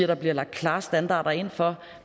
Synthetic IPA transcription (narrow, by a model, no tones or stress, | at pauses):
æɾ̥ɑ̈b̥liɐlɑ̈ɡ̥̚kʰlɑ̈ːsd̥ænd̥ɑ̰̈ːɾ̥ɐe̝nn̩fɒ̽